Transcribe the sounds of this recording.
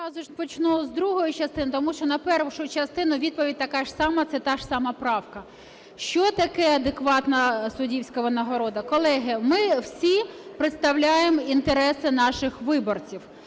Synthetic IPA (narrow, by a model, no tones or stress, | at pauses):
ɑzʊʃpɔt͡ʃnuzd̪ɾuɦɔjʊt͡ʃɐst̪ɪnɪt̪ɔmuʃt͡ʃɔnɐpɛrʋʊʃʊt͡ʃɐst̪ɪnʊʋʲid̪̚pɔʋʲid̚ʲt̪ɐkɑʒ̥sɑmɐt̪sɛt̪ɑʃsɑmɐpɾɑwkɐ | ʃt͡ʃɔt̪ɐkɛɐd̪ekʋɑt̪nɐsʊdʲiwsʲkɐʋɐnɐɦɔɾɔd̪ɐkɔlˠɛɦɪmɪwsʲipɾet̪st̪ɐwlʲajemɔint̪eɾɛsɪnɑʃɪxʋɪbɔrt͡sʲiw